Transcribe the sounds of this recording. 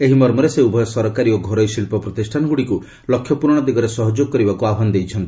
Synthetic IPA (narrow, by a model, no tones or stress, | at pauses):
eɦimɔɾmɔɾeseubʱɔjɔsɔɾɔkaɾioɡʱɔɾɔjsilpɔpɾɔt̪isʈʰanɔɡuɽiku | lɔkʰːjɔpuɾɔɽ̃ɔd̪iɡɔɾesɔɦɔd͡ʒoɡɔkɔɾibakuabʱɔnɔd̪ejt͡ʃʰɔnt̪i